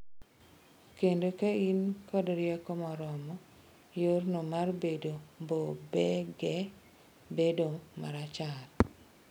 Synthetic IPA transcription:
kendokeinkɔdɾɪɛkɔmɔɾɔmɔ | jornomarbedombobɛɡɛ | bedoma̰ɾat͡ʃat

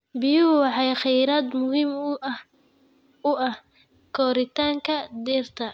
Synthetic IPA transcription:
bɪjʊhwɑħɑjχɛjɾaːd̪mʊɦiːm | ʊɐh | kʰɔːɾɪt̪ʰaːŋkʰɐd̪iːrt̪ʰɐ

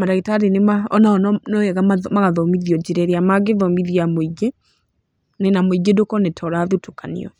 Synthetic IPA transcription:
maɾaɣitaɾenemaɔnaɔnɔnɔɛɣaamaɣaðɔmiðiɔd͡ʒeɾɛɾeamaɡeðɔmiðiamoiɡe | nenamoiɡedokɔnetʰɔɾaːðutokanḭɔ̰

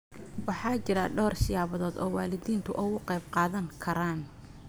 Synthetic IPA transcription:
wɑħɑːt͡ʃɪɾɐɖɔːrʃɪjaːβɐðɔːd̪ɔːwɑːlɪðiːnt̪ʰʊʔɔɣʊqɛjbqɑːðɐŋkʰɐɾaːn

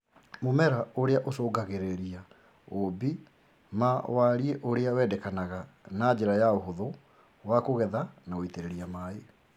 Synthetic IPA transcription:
momɛɾaoɾeaʔosoːɡaɣeɾeɾia | obi | mawaɾieʔoɾeawɛdɛkanaɣanad͡ʑeɾajaoɦoðo | wakoɣɛðanaoiteɾeɾiamaːe

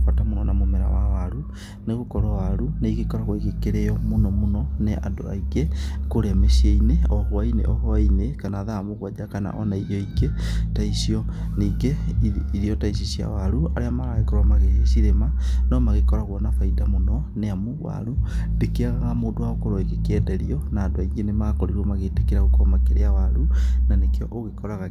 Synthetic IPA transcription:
atamunɔnamomeɾa̰wawaɾu | neɣokɔɾɔwaɾunaiɣekɔɾaɣwaiɣekeɾejɔmunɔmunɔneʔa̰ndo̰aiɣekoɾemesieineɔhɔainḛʔɔhɔainekanaðaːmoɣwad͡ʒakana̰ʔɔnaijɔiɡetaisiɔ | niɡeiɾiɔtais̬isia̰waɾua̰ɾeamaɾaɣekɔɾwamaɣeesiɾemanɔmaɣekɔɾaɣwɔnafaidamonɔ | neamowa̰ɾundekeaɣaɣamoːdowaɣokoɾɔiɣekɛːdɛɾiɔnaːdoaiɡenemakɔɾiɾomaɣetekeɾaɣokɔmakeɾeawaɾunanekeɔʔoɣekɔɾaɣa

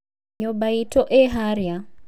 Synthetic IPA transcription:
ɲɔbaitɔʔɛɦaɾja

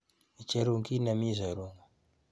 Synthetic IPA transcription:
it͡ʃeɾuŋɡinamizaɾuŋɡu

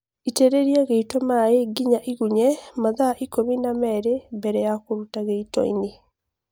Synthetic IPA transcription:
iteɾeɾiɛɣeitɔmaeɡiɲaʔiɣuɲɛmaðaʔikominamɛɾembɛɾɛjakoɾutaɣeitɔ̰ḭne

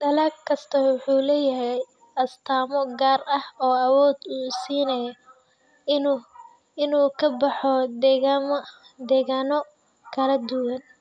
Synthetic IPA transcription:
d̪ɐlaːkkʰɐst̪ʰɐwʊħuːlɛːjɐɦɛj | ʔɐst̪ʰaːmɔɡaːrɐhɔːɐwɔːd̪uːsiːnɐjɔ | ɪnuːkʰɐbɑħɔɣm | d̪ɛːɣaːnɔ | kʰɐlɐd̪ʊwɐn

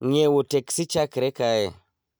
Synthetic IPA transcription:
ŋewoteksit͡ʃakeɾekaje

